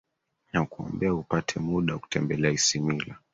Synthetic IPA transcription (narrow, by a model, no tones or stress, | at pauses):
nakuɔ̰mbɛaupatʰɛmuɗaku̥tʰɛmbɛlɛaisimila